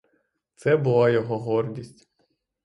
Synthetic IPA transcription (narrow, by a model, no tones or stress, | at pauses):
t̪sɛbʊlˠɑjɔɦɔɦɔrdʲisʲtʲ